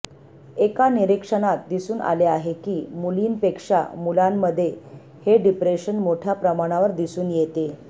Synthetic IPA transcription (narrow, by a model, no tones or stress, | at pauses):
ekaniɾikʂəɽ̃at̪̚d̪isuːnʔa̰leaɦekiːmuliːnpekʂa̰mulamːəd̪ʱːje | heɖipɾeɕənmoʈʰjapɾəmaɽ̃aʋəɾd̪isuːnjet̪e